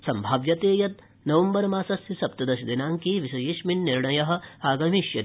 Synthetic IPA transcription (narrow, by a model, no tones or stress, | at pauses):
sɐmbʱaːʋjɐt̪eːjɐt̪ | nɐʋɐmbɐɾmaːsɐsjisɐpt̪ɐd̪ɐʃɐd̪inaːŋkiːʋisɐjiːʃminːiɾɳɐjɐɦɐ̆aːɡɐmiʃjɐ